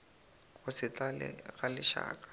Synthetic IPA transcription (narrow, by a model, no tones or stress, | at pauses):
kʊsɪt͡ɬalɪ̰ɣalɪʃa̰ːkʼḁ